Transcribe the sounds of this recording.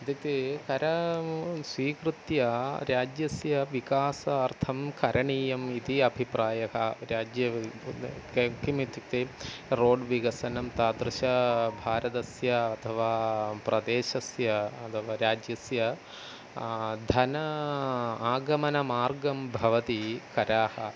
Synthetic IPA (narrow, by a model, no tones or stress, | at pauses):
ɐd̪it̪ekɐɾɐ | sʋiːkɾut̪jɐɾaːd͡ʒjɐsjɐʋikaːsɐːrt̪ʰɐmkʰɐɾʔɐɳiːjɐmit̪iɐbʱipɾaːjɐɦɐɾaːd͡ʒjɐ | kimit̪ːuk̚t̪eɾoːɖʋiɡɐsɐnɐmt̪aːd̪ɾɨʃɐbʱaːɾɐd̪ɐsjɐːt̪ʰɐʋaːpɾʔɐd̪eːʃɐsjɐɐt̪ʰɐʋaːɾaːd͡ʒjɐsjɐ | d̪ʱɐnɐ | aːɡɐmɐnɐmaːɾɡɐmbʱɐʋɐt̪ikɐɾaːhɐ̰